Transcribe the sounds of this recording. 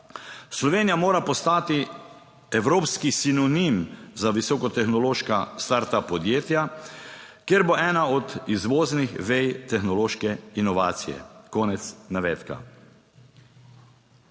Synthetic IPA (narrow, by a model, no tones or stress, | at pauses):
slɔʋeːnijamoːɾapɔst̪aːt̪i | ɛwɾoːpskisinɔnimzaʋisɔːkɔt̪ɛxnɔloːʃkast̪aɾt̪apɔd̪jeːt̪ja | kjeɾboʔɛːnaɔd̪izʋoːznixʋɛjt̪ɛxnɔloːʃkɛinɔʋaːt̪sijɛ̰kɔːnɛt̪snaʋɛːt̪ka̰